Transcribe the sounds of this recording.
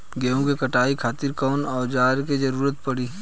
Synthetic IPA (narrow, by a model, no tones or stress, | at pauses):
ɡeːõkekɐʈaːikʰaːt̪ɪɾkɔːnɔːd͡ʒaːɾked͡ʒɐɾuːɾət̪̚pɐɽiː